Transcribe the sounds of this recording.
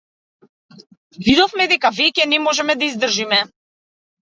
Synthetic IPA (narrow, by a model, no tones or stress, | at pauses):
vid̪ɔfmɛd̪ɛkavɛcɛnɛmɔʒɛmɛd̪aizd̪r̩ʒimɛ